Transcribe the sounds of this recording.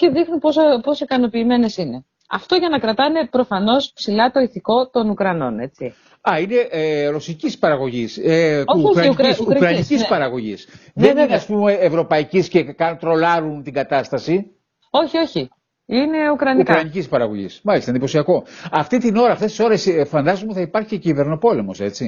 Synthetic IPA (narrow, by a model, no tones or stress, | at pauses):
ce̞ðixnuposopo̞sikɐno̞piːme̞ne̞sine̞ | ɐ̰ft̪o̞ʝɐnɐkɾɐt̪ɐine̞pɾo̞fɐno̞spsilɐt̪o̞iθiko̞t̪o̞nukɾɐno̞̰ne̞t͡si | ɐine̞ʔɾosicispɐɾɐɣo̞ʝisekukɾɐnicispɐɾɐɣo̞ʝḭsðenineɐspume̞ːvɾo̞pɐicisce̞kɐt̪ɾo̞lɐɾunt̪iɡɐt̪ɐst̪ɐsi | o̞çio̞çi | ine̞ukɾɐniukkɾɐnicispɐɾɐɣo̞ʝḭsmɐlist̪ɐind̪ipo̞siɐko̞ɐft̪it̪ino̞ɾɐːft̪e̞st̪iso̞ɾe̞sfɐnd̪ɐzomet̪iθɐipɐɾçiecive̞ɾno̞po̞le̞mo̞se̞t͡si